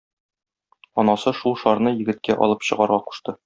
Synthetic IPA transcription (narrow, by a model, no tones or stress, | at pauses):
ɒnɑsɤʃulˠʃɒɾnɤjɘ̆ɡɘ̆t̪̚kæʔɒ̰lˠɤpɕɤ̆ʁɑɾʁɑqu̥ʃt̪ɤ